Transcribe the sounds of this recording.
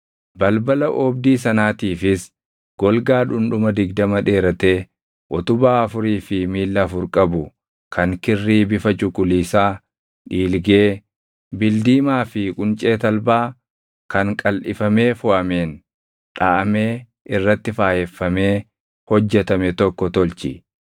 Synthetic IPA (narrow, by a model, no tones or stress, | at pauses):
bɐlbɐlɐʔɔb̚d̪iːs̬ɐnaːt̪iːfɪs | ɡ̥ɔlɡaːᶑʊnᶑʊmɐd̪ɪɡd̪ɐmɐᶑe̞ːɾɐt̪e̞ː | ʔɔt̪ʊbaːɐfʊɾiːfɪmiːlːɐfʊɾkʼɐbʊ | kʰɐŋkɪrːiːbɪfɐt͡ʃʼʊkʼʊliːsaː | ᶑiːlɡe̞ː | bɪld̪iːmaːfɪkʼʊnt͡ʃʼe̞ːt̪ɐlbaː | kɐŋkʼɐlʔɪfɐme̞ːfʊʔɐmeːn | ᶑaːʔɐme̞ː | ʔɪrːɐt̪ːɪfaːhɛfːɐme̞ː | hɔd͡ʒːɛt̪ɐmɛt̪ɔkːɔt̪ɔlt͡ʃɪ̰